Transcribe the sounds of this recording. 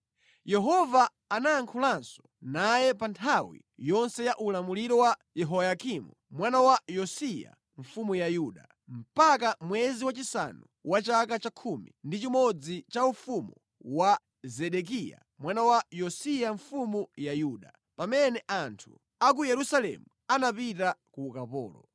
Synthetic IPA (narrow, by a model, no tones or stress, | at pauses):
jɛɦɔvaː | naaŋkʰulansɔ̥ | najɛpantʰawḭ | jɔnsɛjaʔulamuliɾɔwajɛɦɔjakimu | mwanawajɔsija̰ | ɱ̩fumujajuːɗa | m̩pakamwɛziwat͡ʃisa̰nu | wat͡ʃakat͡ʃakʰumḭndit͡ʃimɔd͡zit͡ʃaufumu | wa | zɛɗɛk̬ija̰ | mwanawajɔsijaɱfumujajuːɗa | pamɛnɛʔantʰu | ak̬ujɛɾusalɛ̰muanapitakukapɔ̰ːlɔ̰